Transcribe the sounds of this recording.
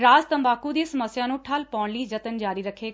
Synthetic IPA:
ɾaːzt̪əmbaːkũd̪iːsəməsːjãːnũːʈʰəlpɔːɳliːd͡ʒət̪ənd͡ʒaːɾiːɾəkʰːeː

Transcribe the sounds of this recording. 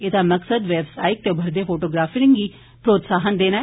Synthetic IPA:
ed̪ãːməksəd̪ʋɛːbsaːɪk̚t̪eːbʱəɾd̪eːpʰoːʈoːɡɾaːfɪɾɪŋɡiː | pɾoːt̪saːɦənd̪eːnaːɛ

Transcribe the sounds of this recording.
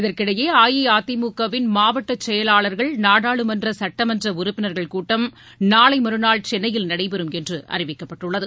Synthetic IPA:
ɪðɐrkɪɽɐjeːaːjɐaːt̪ːɪmuːkɐʋɪnmaːʋɐʈːɐt͡ʃːɛjɐlaːɭɐɾɣɐɭnaːɽaːɭɯmɐndrɐsɐʈːɐmɐndrɐʊɾʊpːɪnɐɾɣɐɭkuːʈːɐm | naːɭɐɪmɐɾɯnaːɭt͡ʃɛnːɐjɪlnɐɽɐɪpɛɾɯmɛndrɯʔʔɐ̰rɪʋɪkːɐpːɐʈːɯɭːɐðɯ

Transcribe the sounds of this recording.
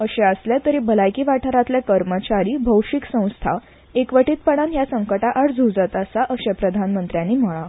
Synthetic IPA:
əɕeəsljat̪əɾiːbəlajkiːʋaʈʰəɾat̪ljakəɾmət͡ɕaɾiːbʱəwɕiksə̃w̃st̪ʰa | ekʋəʈiːt̪̚pəɽ̃anjasəŋkəʈaʔaɽd͡zʱud͡zət̪asaʔəɕepɾəd̪ʱanmənt̪ɾjanːiːm̤əɭa

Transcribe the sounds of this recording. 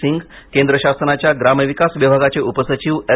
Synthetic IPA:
iŋɡ | kẽnd̪ɾəɕasnat͡ɕjaɡɾamjəʋikasʋibʱaɡat͡seʔupəsət͡ɕiʋe

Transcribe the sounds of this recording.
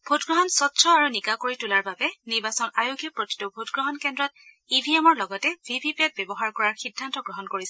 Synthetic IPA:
b̥ʱotɡɹɔɦɔnsɔtːsʰɔaɹunikakoɹitulaɹbabɛniɹbasɔnajoɡjɔpɹoti̥tubʱotɡɹɔɦɔnkɛndɹɔt̚ | ibʱiɛmɔɹlɔɡɔtɛvʱibʱipiɛt̚bɛbɔɦaɹkɔɹaɹxidʱːantɔɡɹɔɦɔnkoɹisɛ

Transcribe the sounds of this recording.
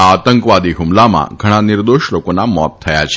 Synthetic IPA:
at̪əŋkʋad̪iɦumlamã̰ɡʱəɽ̃anɪɾd̪oʃlokonamɔt̪ʰːəja̰t͡ʃʰe

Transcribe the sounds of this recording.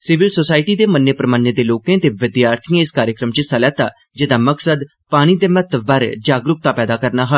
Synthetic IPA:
sɪʋɪlsoːsaːɪʈiːd̪eːmənjəpɾəmaːnjəd̪eːloːkẽːt̪eːʋɪd̪jaːɾt̪ʰiãɪskaːɾjəkɾəmt͡ʃsalɛːt̪a̰ː | d͡ʒɪd̪aːməksəd̪ | paːɽ̃iːd̪eːmət̪əbbəɾd͡ʒaːɡɾʊk̚t̪aːpɛːd̪aːkəɾnaːɦo

